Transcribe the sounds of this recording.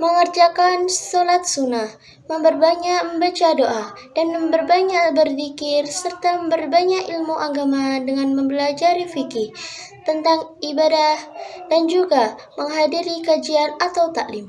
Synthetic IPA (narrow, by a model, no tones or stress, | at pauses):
məŋərd͡ʒakansolat̪̚sunah | məmbərbaɲaʔməmbat͡ʃadoʔa | d̥anməmbərbaɲaʔbərfikɪrsərt̪aməmbərbaɲakilmuʔaɡamadəŋanməmbəlad͡ʒaɾifiki | t̪ənt̪aŋibadahdand͡ʒuɡa | məŋɦadiɾikad͡ʒianat̪awt̪aʔlɪm